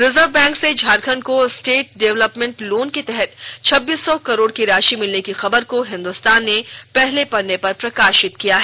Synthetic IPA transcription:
ɾɪzəɾʋbɛ̃ːŋksed͡ʒʱaːɾkʰənkosʈeːʈ̚ɖɛʋləpmɛ̃ɳʈloːnket̪ɛɦɛt̪t͡ʃʰɐbːiːsːɔkɐɾoːɽkiɾaːʃimɪlnekixɐbəɾkoɦɪ̃nd̪ʊst̪aːnːepɛɦlepɐɽnːepɐɾpɾɐkaːʃɪt̪kijaɦɛː

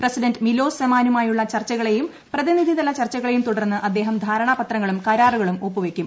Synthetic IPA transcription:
prɐsidɐndmilo̞ːsɐmaːnumaːjuɭːɐt͡ɕɐrt͡ɕːɐɣɐɭe̞jum | prɐðiniðʱiðɐlɐt͡ɕɐrt͡ɕːɐɣɐɭejumt̪uɽɐrnːɨʔɐd̪ːe̞ːɦɐmd̪ʱaːɾɐɳɐpɐt̪rɐŋːɐɭumkɐɾaːruɣɐɭumoːpːuʋekʲːum

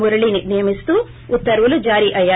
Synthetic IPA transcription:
muɾɐɭinijɐmist̪u | ut̪ːɐɾʋulud͡ʒaːɾiʔɐja

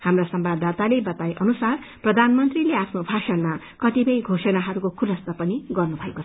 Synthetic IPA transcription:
hamrasʌmbad̪at̪alebʌt̪ajʔʌnusar | prʌd̪ʱanmʌnt̪rileapʰnobʱasʌnma | kʌt̪ibʌjɡʱosʌnaɦʌɾukokʰulʌst̪ʌpʌniɡʌrnubʱʌekot͡sʰ

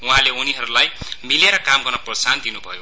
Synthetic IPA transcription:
uɦãleuniɦʌɾulajmileɾʌkamɡʌrnʌprʌsand̪inubʱʌ̰jo

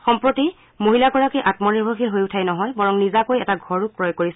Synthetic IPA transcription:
xɔmpɹoti | moɦilakɔɹakejʔatmɔniɹbʱoxilɦojʊtʰajnɔɦɔjbɔɹɔŋnizakojɛtaɡʱɔɹuk̚pːɹɔjɔɡ̚koɹis

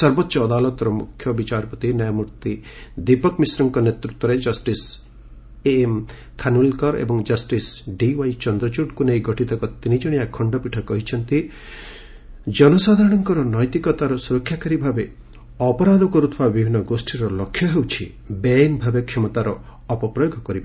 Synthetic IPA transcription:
sɔɾbɔt̪ːʃɔːd̪alɔt̪ɔɾɔmukʰjɔbit͡ʃaɾpɔt̪inɔjɔmuɾt̪id̪ipɔkmisɾɔŋkɔnet̪ɾut̪wɔɾed͡ʒɔsʈis | eːm | kʰanulkɔɾḛbɔŋd͡ʒɐsʈisɖiwajt͡ʃɔnd̪ɾɔt͡ʃuʈkunejɡɔʈit̪ɔkɔt̪inid͡ʒɔɽ̃iakʰɔɳɖɔpiʈʰɔkɔɦit͡ʃʰɔnt̪i | d͡ʒɔnɔsad̪ʱaɾɔɽ̃ɔŋkɔɾɔnɔjt̪ikɔt̪aɾɔsuɾɔkʰːjakaɾibʱabe | ɔpɔɾad̪ʱɔkɔɾut̪ʰɔbabibʱinːɔɡosʈiɾɔlɔkʰːjɔɦewt͡ʃʰi | benbʱabekʰɔmɔt̪aɾɔː | pɔpɾɔjoɡʱɔkɔɾib

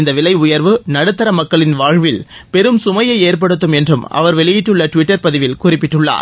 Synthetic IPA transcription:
ɪnd̪ɐʋɪlɐɪʊjɐɾʋɯnɐɽɯt̪ːɐɾɐmɐkːɐɭɪnʋaːɻʋɪl | pɛɾɯmsʊmɐjɐɪeːɾp̬ɐɽɯt̪̬ːɯmɛndrɯmɐ̰ʋɐɾʋɛɭɪjɪʈːɯɭːɐʈʋɪʈːɐɾpɐðɪʋɪlkʊrɪpːɪʈːɯɭːa̰ːɾ

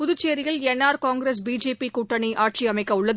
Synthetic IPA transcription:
pʊðʊt͡ʃːejɐɾɪɣɐɭɛnːaːɾkaːŋɡɾes̬biːd͡ʒeːpikʊʈːɐɳiʔaːʈ̚t͡ʃiɐmɐɪkːɐʊɭːɐð

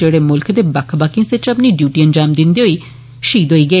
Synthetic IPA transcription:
eːɽeːmʊlkʰd̪eːbəkʰbaːkĩsɪt͡ʃəpniːɖjuːʈiːənd͡ʒaːmd̪ɪnd̪iːɦoiː | ʃiːd̪ɦoːiːɡəeː

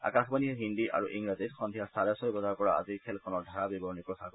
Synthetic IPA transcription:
a̰kaxbaniɦɛɦind̪iʔa̰ɹuʔiŋɡɹazitxɔnd̪ʱijast̪alɛsɔjbɔzaɹpɔɹaa̰ziɹkʰɛlkʰɔnɔɹdʱaɹabibɔnikɹɔsaɡɔ

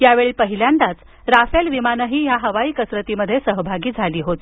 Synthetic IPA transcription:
jaʋeɭiːpəɦiljãnd̪at͡s | ɾafelʋimanəɦiːjaɦəʋaiːkəsɾət̪iːməd̪ʱːjesəɦbʱaɡiːd͡zʱaliːɦot̪

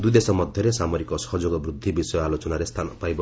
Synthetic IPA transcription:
d̪ujd̪esɔmɔd̪ʱjɔɾesamoɾikɔsɔ̥ɦɔd͡ʒoɡɔbɾud̪ʱːibisɔjɔalot͡ʃɔnaɾest̪ʰanɔpajbɔ

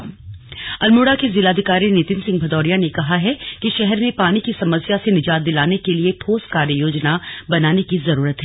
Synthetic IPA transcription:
ɐlmuːɽakezɪlaːd̪ʱɪkaːɾinɪt̪ɪnsɪ̃ŋɡbʱɐd̪ɔːɾijanekɐɦaɦɛkiʃɛɦɛɾmẽpaːnikisɐməsjasenɪd͡ʒaːt̪̚d̪ɪlaːnekelieʈʰoːskaːɾjəjoːd͡ʒnabɐnaːnekizɐɾuːɾət̪ɦɛː

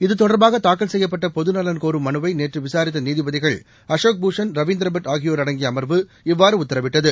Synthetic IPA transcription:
ɪðɯt̪ɔɽɐɾbaːɣɐt̪aːkːɐlsɛjːɐp̬ːɐʈːɐpɔðɯnɐlɐnkoːɾɯmːɐnɯʋɐɪneːʈrɯʋɪsaːɾɪt̪ːɐniːðɪʋɐðɪɣɐɭ | ɐʂoːk̚buːʂɐnɾɐʋiːnd̪ɾɐbɐʈaːɣɪjoːɾɐɽɐŋɡɪjɐːmɐɾʋɯ | ɪʋːaːɾɯʊt̪ːɐɾɐʋɪʈːɐðɯ

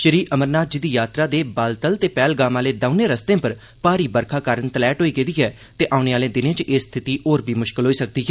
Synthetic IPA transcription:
ʃəɾiːʔəməɾnaːt̪̚d͡ʒɪiːd̪iːjaːt̪ɾaːd̪eːbaːlt̪əlt̪eːpɛːlɡaːmãːleːd̪aːʊnẽːɾəst̪ẽːpəɾ | paːɾiːbəɾkʰaːkaːɾənt̪əlɛːʈɦoːiːɡeːd̪iːɦɛː | t̪eːʔaːʊneːaːlẽːd̪ɪnẽːt͡ʃʔeːst̪ʰɪt̪iːʔoːɾbʱiːmʊʃkɪlɦoːiːsək̚d̪iːɦɛː

